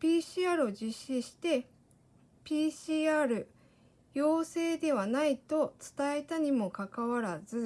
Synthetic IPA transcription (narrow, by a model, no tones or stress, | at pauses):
pʲiːɕiaːɾɯ̟o̞d͡ʑiɕːiɕi̥t̪e̞ | pʲiːɕiːaːɾɯ̟ | jo̞ːse̞ːd̪e̞βanait̪o̞t͡sɨ̥t̪ae̞t̪aɲ̟imo̞kakaβaɾazɨ